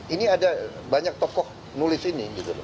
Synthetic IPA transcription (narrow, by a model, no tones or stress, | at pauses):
iniada | baɲak̚t̪ɔkɔh | nulɪsiniɡit̪ulo̰